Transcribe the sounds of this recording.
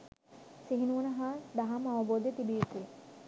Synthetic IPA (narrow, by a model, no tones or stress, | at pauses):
siɦinuʋɐnəɦaːd̪aɦamaʋɐboːd̪jet̪ibijit̪ujə